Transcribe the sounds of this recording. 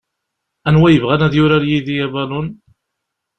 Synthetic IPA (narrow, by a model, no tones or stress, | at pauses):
ænwæjəvʁænæðjʊɾaɾjiðijæbalun